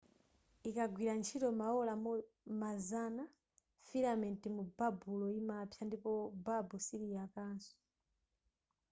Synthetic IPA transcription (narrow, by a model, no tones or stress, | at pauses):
ikaɡwiɾant͡ʃʰitɔmaɔla | mazana | filamɛntimubabulɔimapʰjandipɔbabusiɾijakaːnsɔ̥